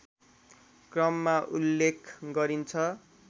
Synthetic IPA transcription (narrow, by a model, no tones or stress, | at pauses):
krʌmːaʔulːekʰɡʌɾint͡sʰʌ